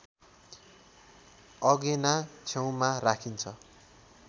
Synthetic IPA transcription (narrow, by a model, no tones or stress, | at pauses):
ʌɡenat͡sʰew̃marakʰint͡sʰʌ